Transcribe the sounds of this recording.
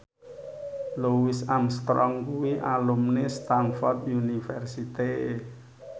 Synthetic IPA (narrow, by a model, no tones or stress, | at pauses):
luwisanst̪ɾɔŋkuwiʔalumnest̪anfɔrt̪̚junifɛrsit̪e